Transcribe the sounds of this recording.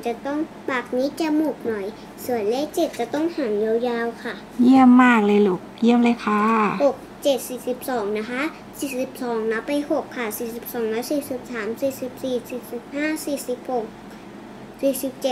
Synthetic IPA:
t͡ɕa˧˩t̪ɔ˥˩˨ŋ | baː˨˩k̚niː˧˥t͡ɕa˧muː˧˩k̚nɔ˨˩˦j | su˧˩˨ənlɛː˧˥˨wt͡ɕe˧˩t̪̚ka˧˩t̪ɔ˥˩˨ŋha˨˩˦ŋja˧˨wjaː˧wkʰa˧˩ | ji˧˥˩əmːaː˧˩k̚lɤː˧˩jluː˧˩k̚ji˧˩əmla˧˦kʰaː˧˩ho˨˩k̚t͡ɕe˨˩t̪̚siː˨˩si˧˦p̚sɔː˩˦ŋna˧˥kʰa˦˥ | siː˨˩si˧˦p̚sɔː˩˦ŋna˧˦˥pːa˧˨jho˧˩k̚ʰːa˧˩siː˨˩si˧˦p̚sɔː˨˩˦ŋlɛː˧˦˥wsiː˨˩si˧˦p̚saː˩˦msiː˨˩si˧˦p̚siː˨˩si˧˩si˧˩p̚haː˥˩˨siː˨˩si˧˦p̚ho˨˩k̚ | siː˧˩si˧˦p̚t͡ɕe˧˩

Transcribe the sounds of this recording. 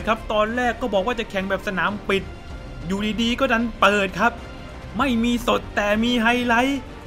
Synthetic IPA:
kʰa˦˥p̚t̪ɔː˧nɾɛː˥˩kːɔː˥˩bɔː˨˩k̚waː˥˩t͡ɕa˨˩kʰɛ˩˦ŋbɛː˨˩p̚sa˧naː˩˦mpi˨˩t̪̚ | juː˨˩diː˧diː˧kɔː˥˩da˧npɤː˨˩t̪̚kʰa˦˥p̚ | ma˥˩jmiː˧so˨˩t̪ːɛː˨˩miː˧ɦa˧jla˧˥j

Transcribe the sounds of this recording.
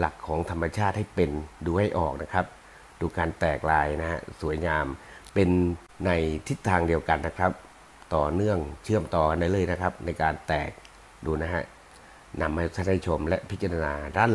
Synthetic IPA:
la˨˩kʰːɔː˩˦ŋt̪ʰa˧mːa˧t͡ɕʰaː˥˩t̪̚ha˥˩jpe˧nduː˧ha˥˩jʔɔː˨˩k̚na˦˥kʰɾa˦˥p̚ | duː˧kaː˧nt̪ɛː˨˩k̚laː˧jna˦˥ha̰˦˥su˩˦əjɲaː˧mpe˧nː | a˧jt̪ʰi˦˥t̪ʰːaː˧ŋdi˧əwka˧nːa˦˥kʰɾa˦˥p̚ | t̪ɔː˨˩nɯ˥˩əŋt͡ɕʰɯ˥˩əmt̪ɔː˧ka˧nda˥˩jlɤː˧˩˨jna˦˥kʰɾa˦˥p̚na˧jkaː˧nt̪ɛː˨˩k̚ | duː˧na˦˥ɦa˦˥ʔ | na˧mːa˧˩t͡ɕ̪ʰa˧˦˥na˥˩jt͡ɕʰo˧mlɛ˦˥ʔpʰi˦t̪̚t͡ɕa˧ɾa˧naː˧daː˥˩n

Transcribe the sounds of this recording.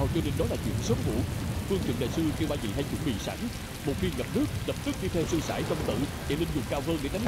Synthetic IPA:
wt͡ɕɔ˧ne˧nɗɔ˨˦laː˨˩t͡ɕwḭ˧˨ənsə˨˦ŋ͡mvṵ˧˥fɨ˧ŋt͡ɕwə̰˧˨nɗa̰ː˧˨jsɨ˧t͡ɕɓaː˧˩zḭ˧˨˩ha˧jt͡ɕwṵ˧˩əŋɓḭ˧˨˩sa̰˧˩ŋ̟ | mo˨˩t̚xi˧ŋə˨˩p̚nɨ˦˥əkk̚lə˨˩p̚t̪ɨ˦˥k̚t͡ɕi˧t̪ʰe˧wsɨ˧saː˧˩jt͡ɕə˧wŋ͡mt̪ɨ̰˧˨t͡ɕa̰˧˩lï˧ŋ̟zʊ˨˩ŋ͡mkaː˧wɣəː˧nɗḛ˧˥˦t͡ɕa˨˦ŋ

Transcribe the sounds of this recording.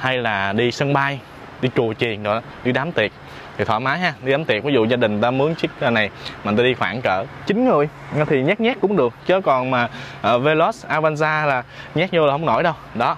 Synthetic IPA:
ha˧jlaː˨˩ɗi˧sə˧ŋɓaː˧j | ɗi˧t͡ɕu˨˩ət͡ɕi˨˩ənɗɔ̰˨˩˨ɗi˧ɗaː˨˦mt̪i˨˩ət̚ | t̪ʰi˨˩ɔ̰˧˩maː˨˦jɦaː˧ɗi˧ɗaː˨˦t̪i˨˩əviː˨˦zṵ˧˨zaː˧ɗï˨˩ŋ̟t̪aː˧mɨ˨˦əŋt͡ɕi˦˥k̚ə˨na˨˩jma˨˩t̪aː˧i˧xwaː˧˩nkəː˧˩t͡ɕï˨˦ŋ̟ŋɨ˨˩əj | t̪ʰi˨˩ɲa˦˥k̚ɲaː˦˥k̚kʊ̰˧˥wŋ͡mɗɨ˨˩ək̚t͡ɕəː˨˦kɔ˨˩nmaː˨˩ʔəː˨˩ve˧lo˦˥sʔaː˧vaː˧nzaː˧laː˨˩ɲaː˦˥k̚ɲə˧aː˨˩hə˧wŋ͡mno̰˧˩jɗə˧wɗɔ˨˦

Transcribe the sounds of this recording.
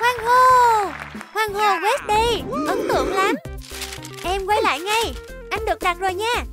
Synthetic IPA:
hwaː˧˩ŋɦo˨˩ | hwaː˧˩ŋɦo˨˩ɣwe˦˥st̚ɗə˧jʔə˨˦nt̪ɨ̰˧˨əŋlaː˨˩m | ʔɛ˧mkwə˨˦jla̰ː˧˨jŋa˧j | ʔa˧jŋ̟ɗɨ˨˩ək̚ɗa˨˩t̚zo˨˩jɲaː˧

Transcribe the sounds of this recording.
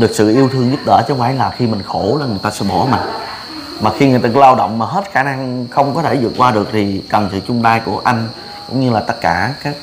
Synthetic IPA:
ɗɨ˨˩ək̚sɨ̰˧˨ʔi˧əwt̪ʰɨ˧əŋzʊ˦˥p̚ɗə̰ː˧˥t͡ɕɔ˨˦waː˧˥˦laː˨˩xi˧mï˨˩ŋ̟xo˧˩laː˨˩ŋɨ˨˩əjt̪aː˧sɛ̰˧˥ɓo˧˩maː˨˩ | maː˨˩xi˧ŋɨ˨˩ət̪aː˧˩˧laː˧wɗɔ̰˧˨wŋ͡mmaː˨˩ɦe˦˥t̚xaː˧˩na˧ŋxə˧wŋ͡mkɔ˨˦t̪ʰe˧˩zɨ̰˧˨ək̚kwaː˧ɗɨ˨˩ək̚t̪ʰi˨˩kə˨˩nsɨ̰˧˨t͡ɕʊ˧ŋ͡mɗaː˧jku˧˩əʔa˧jŋ̟ | kʊ̰˧˥ŋ͡mɲɨ˧laː˨˩t̪ə˦˥t̚kaː˧˩kaː˦˥k̚

